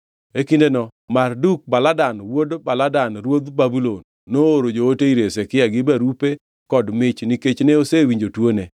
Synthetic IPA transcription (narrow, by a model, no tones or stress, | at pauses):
ekindenɔmarduk̚baladanwodbaladanɾwod̪babulonːooɾod͡ʒooteiɾesekɪjaɡɪbaɾupe | kɔdmɪt͡ʃniket͡ʃneosewiɲd͡ʒotwone